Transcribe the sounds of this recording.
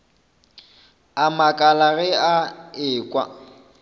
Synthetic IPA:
amakʼalaɣɛaɪːkʼwa̰

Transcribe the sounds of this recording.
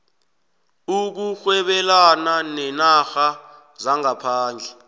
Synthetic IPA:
uk̬uxwɛɓɛlananɛnaxa | zaŋapʰaːnd͡ɮʱɛ

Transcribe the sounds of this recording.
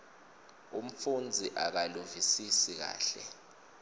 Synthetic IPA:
um̩fund͡zʱiʔak̬aluvisisik̬a̰ːɬɛ̰

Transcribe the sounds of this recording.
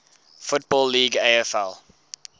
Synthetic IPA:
fʊt̚bɔlːiːɡeɪɛfɛ̰lˠ

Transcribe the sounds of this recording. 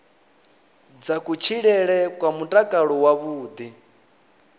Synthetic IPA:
d͡zakʼut͡ʃʰiɺɛɺɛkʼwamutʼakʼaɺɔwaβuːd̪i

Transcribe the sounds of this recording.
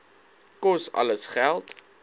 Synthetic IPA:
kɔsɐ̰ləsχælˠt

